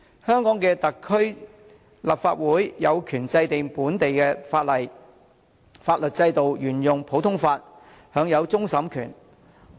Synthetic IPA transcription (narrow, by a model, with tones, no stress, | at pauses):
hœː˥ŋkɔː˨˥ŋkɛː˧t̪ɐ˨kʰːɵ˥ɥ | la̰ː˨˩p̚fa̰ː˧t̚wuː˨˥jjɐ˨˧wkʰyː˨˩nt͡sɐ˧jt̪ɪ˨ŋpuː˨˥nt̪e˨jkɛː˧faː˧t̚lɐ˨˩j | faː˧t̚lɵ˨t̚t͡sɐ˧jt̪o˨wjyː˨˩njʊ˨ŋpʰo˨˥wt̪ʰʊ˥ŋfaː˧t̚ | hœː˨˧ŋjɐ˨˧wt͡sʊ˥ŋsɐ˨˥mkʰy̰ː˨˩n